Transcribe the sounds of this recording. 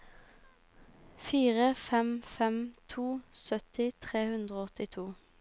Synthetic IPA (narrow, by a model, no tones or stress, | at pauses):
fiːʁəfɛmfɛmt̪ʰuːsœt̪ɪt̪ʰʁeːhʉnd̪ʁoːɔt̪ɪt̪ʰuː